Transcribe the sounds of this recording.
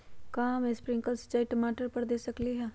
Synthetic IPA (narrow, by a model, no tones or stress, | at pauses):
kaːmespɾɪŋkalsə̥t͡ʃaːiʈəmaːʈəɾpəɾd̪eːsəkliɦɛː